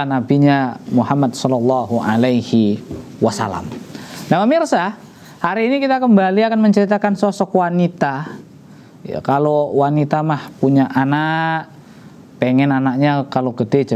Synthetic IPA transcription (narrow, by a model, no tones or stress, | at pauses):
anabiɲamuɦamːadsɔlalːaɦuʔa̰lajhi | wasa̰la̰mnahpəmirsa | haɾiːnikit̪akəmbaliakanməɲt͡ʃəɾit̪akansosɔkwanit̪a | ja̰kalowanit̪amahpuɲaʔanaʔ | peŋɛnanak̚ɲakaloɡəded͡ʒ